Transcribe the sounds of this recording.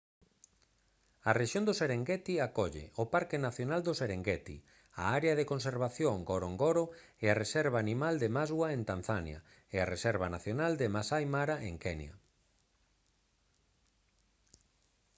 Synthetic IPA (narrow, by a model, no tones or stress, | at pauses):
areʃjond̪oseɾeŋɡɛt̪iakɔʎḛʔopaɾkɪnaθjonald̪ʊseɾeŋɡɛt̪ḭ | a̰aɾeaðekonseɾβaθjoŋɡoɾoŋɡoɾo | earesɛɾβaːnimald̪emazɣwaent̪an̟θanja̰ | earesɛɾβanaθjonald̪ɪmasajmaɾaʔeŋkɛnj̰ɐ̰